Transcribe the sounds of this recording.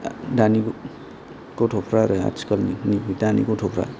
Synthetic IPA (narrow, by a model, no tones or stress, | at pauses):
danik | kotʰopʰɾaɾɯa̰skʌlniniidanḭkotʰopʰɾa̰